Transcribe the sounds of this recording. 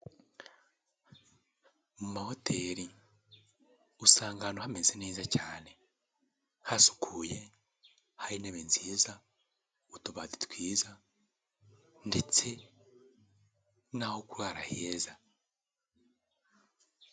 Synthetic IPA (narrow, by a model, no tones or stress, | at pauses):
mumaho̞tʰe̞ːɾi | usaːŋɡanohamezineːzacaːne̞ | hasu̥kʰuːje | haɾineβeːnziiza | utuβaðitkwiːza | nde̞t͡se̞ | nahokuɾwaːɾa̰heza